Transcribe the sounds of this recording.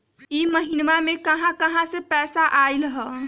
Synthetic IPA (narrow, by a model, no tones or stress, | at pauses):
iməɦinmamekəɦãkəɦãsepɛːsaʔajlɦə